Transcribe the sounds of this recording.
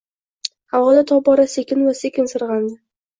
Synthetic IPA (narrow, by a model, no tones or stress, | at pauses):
hawɒd̪at̪ʰɒp̚bɒɾase̞kʲɪnvase̞kʲʰɪnsɨɾʁɑnd̪ɪ